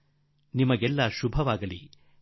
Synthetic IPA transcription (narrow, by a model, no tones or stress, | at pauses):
nimɐɡɛlːɐʃubʱɐʋaːɡɐlḭ